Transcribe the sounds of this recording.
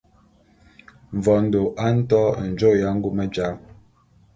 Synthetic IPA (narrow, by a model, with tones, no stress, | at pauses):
ɱ˨vɔ˨n̩˦do˨ʔa˦n̩˦tɔ˦˨n̩˨d͡ʒo˦˨ja˨˦ŋ̩˦ɡu˦mə˦d͡ʒa˨˦